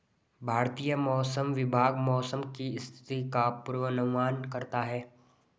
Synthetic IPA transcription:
bʱaːɾt̪ijəmɔːsəmʋɪbʱaːɡmɔːsəmkiɪst̪ʰɪ̥t̪ikapʊɾwənəɡʋaːnkɐɾt̪aɦɛː

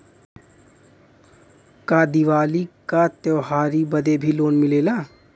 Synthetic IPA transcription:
kaːd̪iʋaːlikat̪jɔːɦaːɾibəd̪ebʱiloːnmɪleːlaː

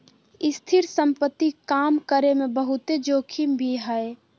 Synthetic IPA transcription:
ɪst̪ʰɪɾsə̃mpət̪ːikaːmkəɾemẽbəɦʊt̪ed͡ʒoːkʰimbʱiɦəe

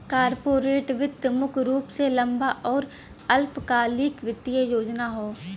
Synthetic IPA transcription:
kaːɾpoːɾeːʈʋɪt̪ːəmʊkɾuːpselɐ̃mbaʔɔːɾ | ɐlpkaːliːkʋɪt̪ːɪjejoːd͡ʒnaɦoː

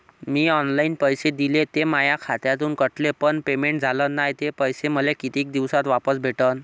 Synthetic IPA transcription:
miːɔnlainpəjsed̪ilet̪emajakʰat̪jat̪uːnkəʈʰlepəɳpemeɳʈ̚d͡zʱalənajt̪epəjseməlekit̪iːk̚d̪iʋsat̪ʋapəsbʱeʈən

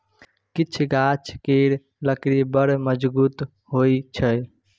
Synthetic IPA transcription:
kit͡ʃʰɡat͡ʃʰkeɾ | ləkɾibəɾməd͡ʒbuːt̪ | ɦojt͡ʃʰəj

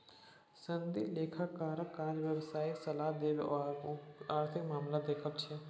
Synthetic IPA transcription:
sənd̪ileːkʰakaːɾkãːd͡ʒʋɐʋsaːisɐlaːɦd̪eːl | aːɾt̪ʰɪkmaːmlad̪eːkʰəlt͡ʃʰɪ

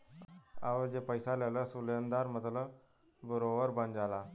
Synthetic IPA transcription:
a̰ʋəd͡ʑepəjsalaləsuljənd̪aɾmət̪lə | bəɾoʋəɾbənd͡ʑala

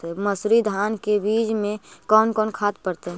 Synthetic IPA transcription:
eməsɾid̪ʱaːnkebiːd͡ʒmẽkɔːnkɔːnkʰaːt̪̚pəɾt̪eɦ

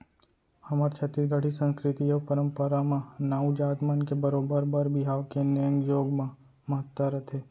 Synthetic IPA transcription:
hɐmaɾt͡ʃʰɐt̪iɡəɽ̤isə̃nskɾɪt̪ijɐpəɾə̃mpəɾamãnaːud͡ʒaːt̪mənkebəɾoːbəɾbəɾbɪɦaːʋkenəjə̃ŋjoːɡm | mɐɦət̪ːəɾɐt̪ʰeː

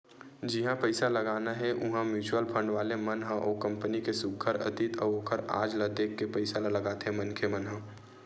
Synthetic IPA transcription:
d͡ʒɪɦãpɐɪsalɐɡaːnaɦɛʔʊɦãmjuːt͡ʃuwəlpʰɐ̃ɳɖʋaːlemɐnɦãʔoːkɐ̃mpənikesʊkʰəɾɐ̰t̪ɪt̪ʰəoːkʰəɾa̰ːd͡ʒlad̪eːkːepɐɪsalalɐɡaːt̪eɦɛ̃mɐnkʰemɐnɦə̃

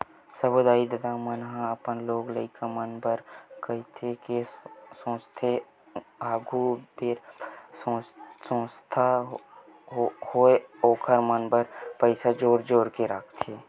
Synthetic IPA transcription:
səbod̪aːid̪əd̪amənɦãəpənloːɡləɪkamənbəɾkəɦit̪ʰekesõːst̪ʰe | aːɡʱubeɾsõsõːst̪ʰa | hoeoːkʰəɾmənbəɾpəɪsad͡ʒoːɾd͡ʒoːɾkeɾakʰt̪ʰeː

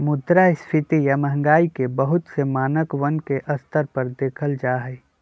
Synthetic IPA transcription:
mʊd̪ɾaɪst̪ʰɪt̪ijaməɦəŋɡaːikebəɦʊt̪semaːnəkʋənkeʔɐst̪əɾpəɾd̪eːkʰəld͡ʒaːɦɛː

